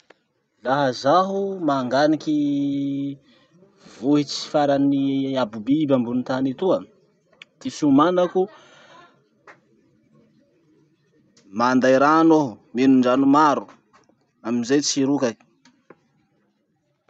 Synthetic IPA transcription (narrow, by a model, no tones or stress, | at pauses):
laɦəzaɦumaŋɡaniki | voɦit͡si̥i̥faɾaniabubibambunit̪anit̪uə | t̪isumanaku | mand̪ajɾanomenuɳɖ͡ʐanumaɾu | aminzajt͡siɾuka